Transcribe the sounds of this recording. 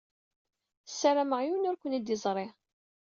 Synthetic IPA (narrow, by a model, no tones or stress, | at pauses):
sːæɾaməʁjunʊɾkʷːənæd̪izˤɾˤe